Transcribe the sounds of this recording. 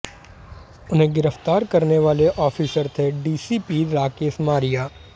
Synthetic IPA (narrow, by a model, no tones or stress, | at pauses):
ʊnɦẽɡɪɾəft̪aːɾkɐɾneʋaːleʔɔːfʰɪsəɾt̪ʰeɖiːsiːpiːɾaːkeːsmaːɾɪjaː